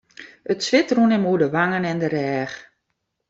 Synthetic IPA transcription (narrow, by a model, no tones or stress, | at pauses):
ətsʋɪtrunɪmuədəʋaŋənɛndəɾɛːx